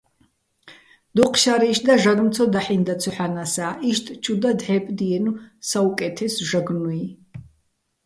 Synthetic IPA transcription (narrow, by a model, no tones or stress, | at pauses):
d̪̥uqʰʃaɾiʃd̪aʒaɾmt̪t͡s̪ʰɔd̪aħind̪at̪t͡sʰɔħanasaːʔiʃt̪ʼt͡ʃʰud̪ad̪ʕɛpʼd̪iɛnusaukʼɛt̪ʰɛsʒaɡnui